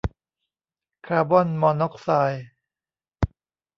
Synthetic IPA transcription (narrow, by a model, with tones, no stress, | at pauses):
kʰaː˧bɔ˥˨nmɔː˧nɔ˦˥k̚saː˧j